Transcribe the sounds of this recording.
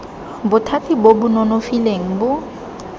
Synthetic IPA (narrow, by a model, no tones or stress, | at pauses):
bʊtʰatʰʼibobʊnɔnofileŋ̩bʊ